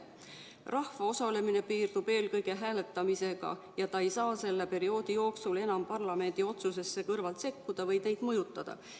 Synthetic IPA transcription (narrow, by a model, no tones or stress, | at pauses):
rɑhvɑo̞sɑle̞mine̞piːrd̪̥ub̥e̞ːlkɤ̞jɡ̥e̞ɦæːle̞t̪ːˑɑmise̞ɡ̥ɑ̰ | jɑt̪ɑejsɑːse̞lːepe̞ɾio̞ːd̪̥ijo̞ːksule̞nɑmpɑrlɑme̞nʲd̪̥io̞t̪suse̞sːe̞kɤrvɑlt̪se̞kːud̪̥ɑvɤjne̞jd̪̥mɤjut̪ːˑɑd̪̥ɑ̰